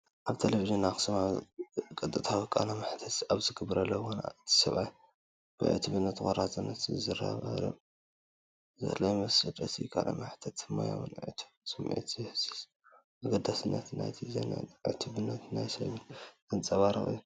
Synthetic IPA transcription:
ʔaβt̪ʰeleviʒɨnaxɨ̥sɨma | kʼɨt̪ʼɨt̪ʰawɐkʼa̰namaħt̪ʰɐt̪aβzɨɡɨbɨɾɐlːɐwona̰t̪ʰi̥sɐβaj | b̥ɨ̰ʕɨ̰t̪ʰɨβɨnːɐt̪xʷʼoɾazʼɨnːɐt̪zɨɾa̰βɐɾɐ̰ | zɐ̰lɐjmɐsɐd̪ʼɐsikʰʼa̰lʔa̰maħt̪ʰɐt̪ɨma̰ja̰wnʕɨ̰t̪ʰɨbsɨmʕḭt̪ʰjhɨsi̥s | ʔaɡɐd̪asɨnːɐ̰t̪na̰jt̪ʰiz̰n̰ʕɨ̰t̪ʰuβɨnːɐt̪najsɐ̰βɨnzɨnt͡sʼɐβaɾɨ̰xʼɨ̰jːu

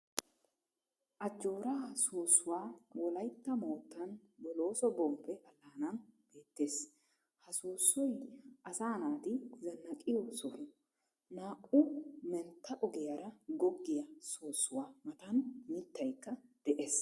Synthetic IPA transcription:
ʔɐd͡ʒːo̞ːɾasoːsːʊwaːwɔlɐjt̪ːɐmoːt̪ːɐnbɔlo̞ːsɔbɔmpːɛʔɐlːaːnɐnb̥e̞ːt̪ːe̞ːs | hɐsuːsːɔjʔɐsaːnaːt̪ɪzɐnːɐkʼɪjɔsɔhʊ | naːʔʼʊmɛnt̪ːɐʔɔɡɪjaɾɐɡɔɡːɪjɐsoːsːʊwaːmɐt̪ɐnmɪt̪ːɐjkːɐd̪̥ɛʔeːs

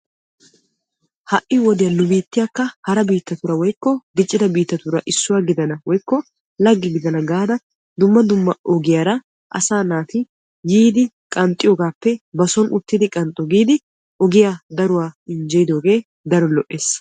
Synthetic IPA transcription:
hɐʔɪwɔd̪ɪjɐlʊbiːt̪ːɪjakːɐhɐɾɐbiːt̪ːɐt̪ʊɾɐwɔjkːɔɡ̪ɪt͡ʃʼːɪd̪ɐbiːt̪ːɐt̪ʊɾɐʔɪsːʊwaːɡɪd̪ɐnɐwɔjkːɔ | lɐɡːɪɡɪd̪ɐnɐɡaːd̪ɐ | d̪ʊmːɐd̪ʊmːɐʔɔɡɪjaɾɐ | ʔɐsaːnaːt̪ɪ | jiːd̪ɪ | kʼɐnt̪ʼːɪjoːɡaːpːɛbɐsɔnʔʊt̪ːɪd̪ɪkʼɐnt̪ʼːɔɡiːd̪ɪ | ɔɡɪjaːd̪ɐɾʊwaːɪnd͡ʒɛjɪd̪o̞ːɡe̞ː | d̪ɐɾɔlɔʔːeːs

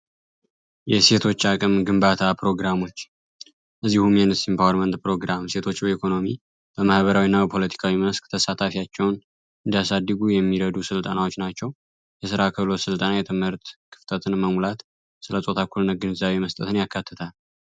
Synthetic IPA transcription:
jɛse̞t̪ʰo̞t͡ʃːakʼɨmɡɨmbat̪ʰapʰɾo̞ɡɾamo̞t͡ʃː | ʔɨzːihumjɛnɨst̪impʰawəɾmənt̪pɾo̞ɡɾamse̞t̪ʰo̞t͡ʃːbəikʰo̞no̞mi | b̥əmahβəɾawinːabəpʰo̞lət̪ʰi̥kʰawiməskt̪ʰəsat̪ʰafijat͡ʃːɛwn | ʔɨnd̪ijasad̪ːɨɡujɛmːiɾəd̪usɨlt̪ʼənawot͡ʃːnat͡ʃːɛw | jɛs̬ɨɾakʰəβlo̞sɨlt̪ʼənajɛt̪ʰɨmhɨɾt̪kʰɨ̥ft̪ʼʰət̪ʰɨnməmulat̪ | sɨləsʼo̞t̪ʰakʰːulnəɡɨnzaβe̞məst̪ʼə̰t̪ʰɨnjakːat̪ʰːɨt̪ʰal

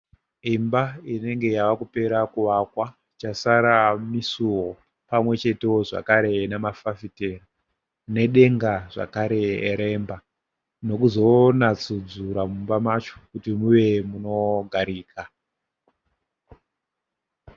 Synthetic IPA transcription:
imbaine̞ŋɡe̞jaʋakupe̞ɾakuʋakwa | t͡ʃasaɾamisuwo | pamwe̞t͡ʃe̞te̞oʐa̰kaɾe̞nemafafite̞ra | ne̞ɗe̞ŋɡaʐa̰kaɾe̞ɾe̞mba | no̞kuzo̞nat͡sud͡zuɾamumbamat͡ʃo̥kutimuʋe̞muno̞ɡʱaɾiːkʰa

